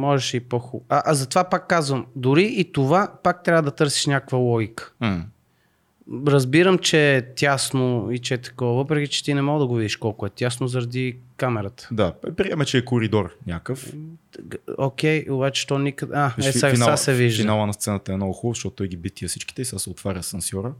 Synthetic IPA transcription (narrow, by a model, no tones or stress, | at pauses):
mɔʒɛʃipɔxuʔaʔzɐt̪ovapakːazvəmd̪ʊɾiʔːt̪ovapak̚t̪ɾʲavəd̪ɐt̪ɤɾsi̥ʃnʲakəkvəlˠɔɡikə̥m̩ | ɾɐzbiɾəmt͡ʃɛt̪ʲjasnoit͡ʃɛɛt̪ɐ̥kɔvəvɤpɾɛk̟it͡ʃɛ̥t̪inɛmɔɡəd̪ɐɡovid̪iʃkɔlˠkʊɛt̪ʲasnozɐɾɐd̪ikamɛɾət̪ə̥d̪aɛpɾiɛmət͡ʃɛːkʊɾid̪ɔɾnʲakəf | ok̟ʲɛjobat͡ʃɛ̥t̪ɔnikəd̪aɛaviasɛviʒd̪inalˠənɐst̪sɛnət̪əɛnɔɡʊxubˠəzʃt̪ɔt̪t̪ːɔɛjɡʲibit̪̚ːiəfsit͡ʃki̥t̪ɛisasɛot̪vaɾʲəsɐnsʲjɔɾə